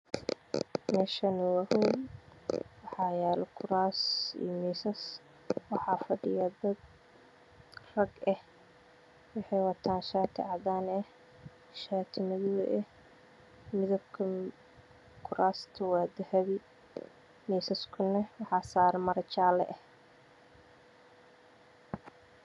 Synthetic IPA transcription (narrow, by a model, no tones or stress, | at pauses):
mɛːʃɐnʊwɐhuːn | wɑħɑːjaːlɔkʰʊɾaːsḭːmiːsɐs | wɑħɑːfɐɖɪjɐd̪ɐd̪ | rɐɡɛh | wɑħɑjwɑt̪ʰaːnʃaːt̪ʰɪʕɑdaːnɛh | ʃaːt̪ʰɪmɪðʊβɛ̰ʔɛh | mɪðɐbkʰɐ | kʰʊɾʔaːst̪ʰɐwaːd̪ɐhɐβɪ | miːsɐskʰʊnɛwɑħɑːsaːɾɛmɐɾɐt͡ʃaːlɛ̰ʔɛh